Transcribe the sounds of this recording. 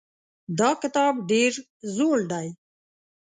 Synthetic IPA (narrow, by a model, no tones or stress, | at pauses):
d̪ɑːkɪt̪ɑːbɖeːɾ | zoːɽɖ̪aj